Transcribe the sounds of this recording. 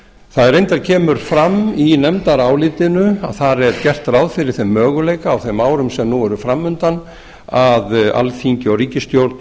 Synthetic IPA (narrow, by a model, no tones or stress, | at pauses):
θaðɛɾejnt̪aɾcʰɛːmʏɾ̥fɾaminɛmt̪aɾaːwlɪt̪ɪnʏa̰ðθarɛcɛr̥t̪rawðfɪɾɪɾ̥θemːœːɣʏleːjkaːwθemaːwɾʏmsɛmnuɛɾʏfɾamːʏnt̪an | aða̰lθiɲcɪɔɣɾiːcɪst̪jowɾt̪n